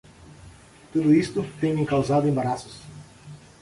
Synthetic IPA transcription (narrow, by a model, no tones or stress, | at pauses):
t̪ud̪ʊist̪ʊt̪ejmĩŋkawzad̪ʊẽmbaɾasʊ̥s